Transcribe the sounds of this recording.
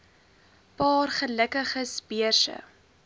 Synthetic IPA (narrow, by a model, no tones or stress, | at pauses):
pɑːrχələkəχəsbiərsə̰